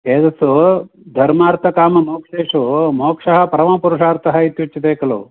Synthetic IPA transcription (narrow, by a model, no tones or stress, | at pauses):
eːd̪ɐsu | d̪ʱɐɾmaːɾt̪ʰɐkaːmɐmoːkʂeːʂumoːkʂɐɦɐpɐɾɐmɐpuɾuʂaːɾt̪ʰɐɦɐit̪jut͡ʃːɐt̪eːkɐloː